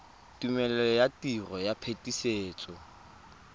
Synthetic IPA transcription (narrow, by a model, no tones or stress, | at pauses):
tumɛlɛjatirɔjapʰetiseːt͡sʼɔ